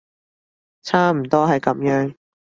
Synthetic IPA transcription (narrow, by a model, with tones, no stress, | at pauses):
t͡sʰaː˥m̩˨˩t̪ɔː˥ɦɐ˨jkɐ˨˥mjœː˧˥ŋ